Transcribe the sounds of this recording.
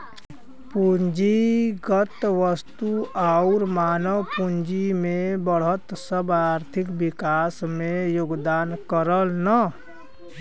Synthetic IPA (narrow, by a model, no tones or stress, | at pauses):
puɲd͡ʒiɡət̪ʋəst̪uaʊɾmaːnəwpuɲd͡ʒimẽbəɽ̤ɦət̪səbaːɾt̪ʰɪkbɪkaːsmẽjoɡd̪aːnkəɾəlnə